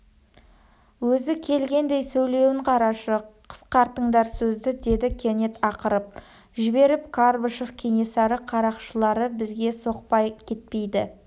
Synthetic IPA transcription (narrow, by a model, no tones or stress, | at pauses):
wɵzɪkʲʰe̞lɡʲe̞nd̪e̞jsɵjle̞wɪɴqʰɑɾɑʃəqʰə̥sqɑɾt̪əɴd̪ɑɾsɵzd̪ɪd̪e̞d̪ɪkʲʰene̞t̪ɑqəɾəp̚ | ʒɪbe̞ɾɪp̚kʰaɾbəʃo̞fkʲʰenʲesɑɾəqʰɑɾɑqʃəlˠɑɾəbɪzɡʲe̞so̞q̚pɑjkʲʰe̞t̪̚pe̞jd̪ɪ